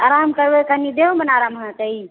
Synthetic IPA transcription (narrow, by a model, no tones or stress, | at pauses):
aɾamkəɾbekənid̪eomənaɾamɦãt̪əi